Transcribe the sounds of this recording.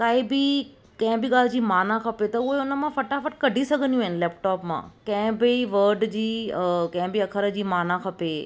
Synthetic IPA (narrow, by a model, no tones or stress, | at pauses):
kaːibi | kɐ̃ɦɛ̃biɠaːl̤d͡ʑiːmaːnãkʰɐpet̪ɐʊɦeʊnəmãfɐʈafəʈ̚kɐɖʱisɐɡʱənjũɪnlɛːpʈɔːpmã̰ːkə̃ɦɪ̃biʋəɾɖd͡ʑiːkɐ̃ɛ̃biɐkʰəɾəd͡ʑiːmaːnãkʰɐpe